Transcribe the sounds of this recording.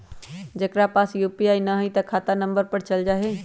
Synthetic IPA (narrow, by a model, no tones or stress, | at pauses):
d͡ʒəkɾapasjupiajnəɦəjt̪əkʰat̪anəmbəɾpəɾt͡ʃəld͡ʒaɦɛ